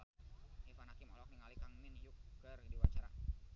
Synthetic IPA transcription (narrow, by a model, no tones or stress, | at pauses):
ifanakimɔ̰lɔk̚niŋalikaŋminjukːəridiwat͡ʃaɾa̰